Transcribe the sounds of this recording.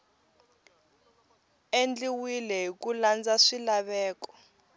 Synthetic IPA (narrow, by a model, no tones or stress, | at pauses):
end͡ɮiwilɛɦikuland͡zaʂilaɓɛːkɔ̥